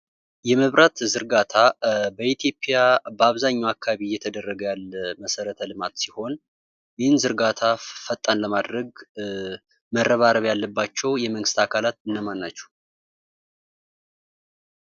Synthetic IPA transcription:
jɛməβɾʔat̪zɨɾɡat̪ʰabəit̪ʰjo̞pʼːjabəaβzaɲːɛwakʰːaβijːɛt̪ʰəd̪ərːəɡəjalːəməsəɾət̪ʰəlɨmat̪siho̞n | jɪhɨnzɨɾɡat̪ʰafət̪ʼːanləmad̪ɾəɡ | mərːəβaɾəβjalːəbːat͡ʃːɛwjɛməŋɡɨst̪akʰalat̪ɨnːəmanːat͡ʃːɛ̥

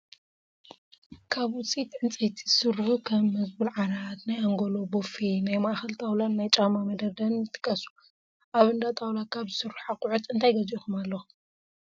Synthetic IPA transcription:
kʰaβʊt͡sʼit̪ʕɨnt͡sʼejt̪ʰizɨsɨrːħukʰɐmːɐzbɨlʕaɾat̪najaŋɡolo̞bofinajmaʔxɐlt̪ʰawlanːajt͡ʃʼamamɐd̪ɐd̪ɐnɨt̪ʰʼɨ̥kʼːɐsu̥ | ʔaβɨnd̪at̪ʼawlakʰaβzɨsɨrːuħakʼuʕut̪ɨnt̪ʰajɡɐzixumalːɐ

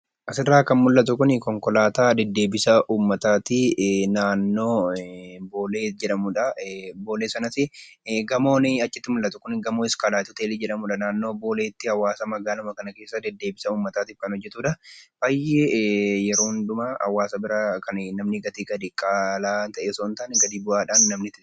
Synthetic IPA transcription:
ʔɐsɪrːaːkɐnmʊlːɐt̪ʊkʊnɪkɔŋkɔlaːt̪aːd̪ɛd̪ːe̞ːbɪsɐʔuːmːɐt̪aːt̪ɪnaːnːo̞ː | boːleːd͡ʒɛᶑɐmʊᶑɐboːleːsɐnɐsɪɡɐmo̞ːnɪɐt͡ʃːɪt̪ːɪmʊlːɐt̪ʊkʊnɡɐmoːɪskɐlaːt̪ʊt̪eːlɪd͡ʒɛᶑɐmuᶑɐnaːnːo̞ːbo̞ːleːt̪ːɪhɐwaːsɐmɐɡaːlɐmɐkɐnɐke̞ːsːɐd̪ɛd̪ːe̞ːbɪsɐuːmːɐt̪aːt̪ɪfkɐnhɔd͡ʒːɛt̪uːᶑɐbaːjːejɛɾo̞ːnd̪ʊmaɐ̰waːsɐbɪɾɐkɐnnɐmnɪɡɐt̪iːɡɐd̪ɪkʼːaːlaːt̪ɐʔeːsoːnt̪aːnɛɡɐd̪iːbʊʔaːᶑaːnːɐmnɪt̪ɪ

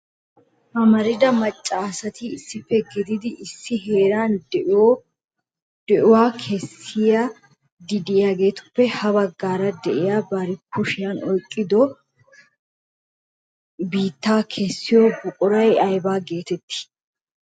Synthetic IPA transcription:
hɐmɐɾɪd̪ɐmɐt͡ʃʼːaːsɐt̪ɪɪsːɪfːɛɡɪd̪ɪd̪ɪʔɪsːɪɦe̞ːɾaːnd | d̪̥ɛʔʊwaːkʰɛsɪja | d̪ɪd̪ɪjaːɡe̞ːt̪ʊ̥pːɛhɐbɐɡːaːɾɐd̪ɛʔɪjaːbɐɾɪkʰːʊʃɪjɐnɔjkʼːɪd̪ɔ | biːt̪ːaːkʰɛsːɪjoːɡʊkʼʊɾɐjɐjbaːɡe̞ːt̪ɛt̪ːɪ̥

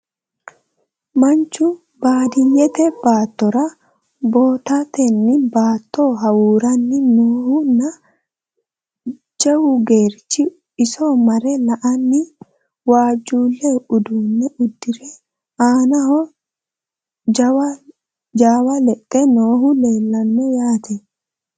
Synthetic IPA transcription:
mɐnt͡ʃːʊ | baːd̪ɪjɛt̪ɛb̥aːt̪ːɔɾɐ | bo̞ːt̪at̪ɛnːɪbaːt̪ːoːɦɐwuːɾɐnːɪnoːhʊnːɐ | t͡ʃʼɛwʊɡe̞ːɾt͡ʃːɪ | ɪsomɐɾɛlɐʔɐnːɪ | waːd͡ʒːuːlːɛʊd̪uːnːɛʊd̪ːɪɾɛ | aːnɐɦɔ | d͡ʒaːwɐlɛtʼːɛno̞ːhʊle̞ːlːɐnːɔjaːt̪ɛ

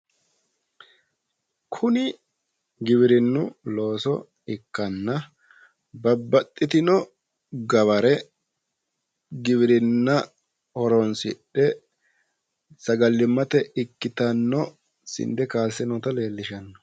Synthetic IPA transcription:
kʰʊnɪ | ɡɪβɪɾɪnːʊlo̞ːsɔ̰ | ɪkːɐnːɐ | bɐbːɐt̪ʼːɪt̪ɪnɔ | ɡɐβɐɾɛ | ɡɪβɪɾɪnːɐ | ɔɾɔnsɪɗɛ | sɐɡɐlːɪmːɐt̪ɛɪkːɪt̪ɐnːɔ | sɪ̰nd̪ɛkaːsɛnɔt̪ɐle̞ːlːɪʃɐnːɔ̥

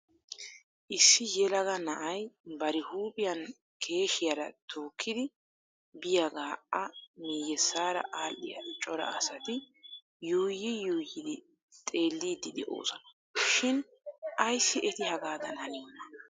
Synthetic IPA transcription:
ʔɪsːɪjɛlɐɡɐnɐʔɐjbɐɾɪhuːpʼɪjɐn | kʰe̞ːʃɪjɐɾɐt̪ʰoːkʰːɪd̪ɪ | bɪjɐɡaːʔɐmiːjɛsːaːɾɐ̰ʔaːlːɪ̰jɐ̰t͡ʃʼɔɾɐ̰ɐsɐt̪ɪ | juːjɪjuːjɪd̪ɪ | t̪ʼe̞ːlːiːd̪ɪd̪ɛʔo̰ːsɐ̥n | ʃɪn | ʔɐjsːɪʔɛt̪ɪhɐɡaːd̪ɐnɐniːnːɐ

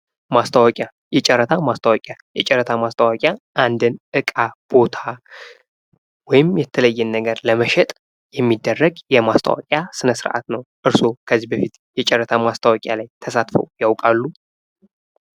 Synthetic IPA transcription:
mast̪ʰəwakʼja | jɛt͡ʃʼɛɾːət̪ʰamast̪ʰəwakʼjajɛt͡ʃʼɛɾːət̪ʰamast̪ʰʼəwakʼjaʔand̪ɨnʔɨkʼab̥o̞t̪ʰa | wɔjɪmjɛt̪ʰːələjːɛnːəɡəɾləməʃɛt̪ʼ | jɛmːid̪ːərːəɡjɛmast̪ʰə̰wa̰kʼjasɨnəsɨɾʔa̰t̪nəwʔɨɾso̞kʰəzːihbəfit̪jɛt͡ʃʼɛɾːət̪ʰamast̪ʰəwakʼja̰lajt̪ʰəsat̪fə̰wjawkʼalːu

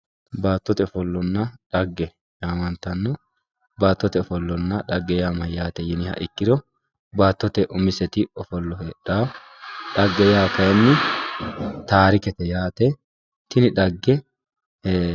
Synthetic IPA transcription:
baːt̪ːɔt̪ɛɔfɔlːɔnːɐᶑɐɡːɛ | jaːmɐnt̪ːɐnːɔ | baːt̪ːɔt̪ɛɔfɔlːɔnːɐᶑɐɡːɛjaːmɐjjaːt̪ɛjɪnɪhɐ̰ʔɪkːɪd̪ɔ | baːt̪ːɔt̪ɛʔʊmɪsɛt̪ɪɔfɔlːɔhɛɗːaː | ᶑɐɡːɛjaːkɐjɛnːɪ | t̪aːɾɪkɛt̪ɛjaːt̪ɛ | t̪ɪnɪᶑɐɡːɛ

